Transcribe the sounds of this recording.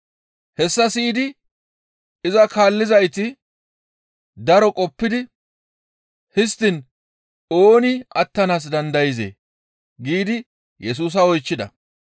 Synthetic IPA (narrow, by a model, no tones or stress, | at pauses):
hɛsːɐsiːd̪ɪ | ɪzɐkaːlːɪzɐjt̪ɪ | d̪ɐɾɔkʼɔpːɪd̪ɪ | hɪs̬t̪ːɪn | oːnɪɐt̪ːɐnaːs̬d̪ɐnd̪ɐjɪzḛː | ɡiːd̪ɪ | jɛs̬uːs̬ɐɔjt͡ʃːɪd̪ɐ